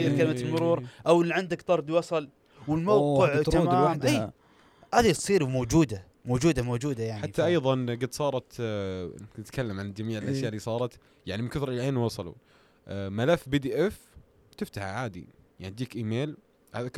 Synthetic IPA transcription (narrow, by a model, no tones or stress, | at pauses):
kalɪmat̪lmʊɾuːɾʔawɪlːiʕɪnd̪akt̪ˤɑɾˤd̪wɑsˤɑl | wɪlmowqɪʕamːwad̪aː | haːðisˤiːɾmoːd͡ʒuːd̪a | moːd͡ʒuːd̪amoːd͡ʒuːd̪ajaʕnħat̪ːaʔɑjðˤɑnɡɪd̪sˤɑːɾˤɑt̪ | nɪt̪kʰalːamʕand͡ʒamiːʕɪlʔaʃjaːʔɪlːiːsˤɑːɾˤɑt̪ | jaʕnimɪnkʊθɾlʕeːnwɑsˤɑlṵ | malafːbid̪iːʔɛf | t̪ɪft̪ahʕaːd̪ḭjaʕnid̪iːkʔiːmeːl | haːða